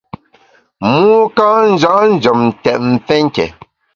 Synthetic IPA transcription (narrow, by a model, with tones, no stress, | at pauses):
muː˦ka˦n̩˦d͡ʒa˦ʔn̩˦d͡ʒɔ˨mn̩˨tɛ˨ʔ̚m̩˨fɛ˦ŋ˦kɛ̰˨